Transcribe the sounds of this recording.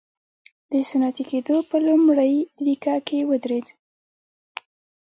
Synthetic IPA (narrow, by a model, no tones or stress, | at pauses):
d̪̥əsanɑt̪iked̪opəlʊmɽəjlikɑkewəd̪ɾed̪